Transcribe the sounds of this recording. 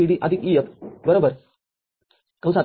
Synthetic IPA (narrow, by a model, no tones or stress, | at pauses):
iɽiːʔɐd̪ʱikijət̪bəɾobəɾ | kə̃w̃sa